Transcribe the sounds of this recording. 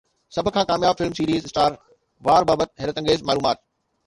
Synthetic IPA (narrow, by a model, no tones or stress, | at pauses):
sɐbʱʊ̆kʰãːkaːmjaːb̚fɪlmsiːɾiːzɪsʈaːɾ | ʋaːɾbaːbət̪̚ɦɛːɾət̪ɐ̃ŋɡeːzmaːluːmaːt̪̚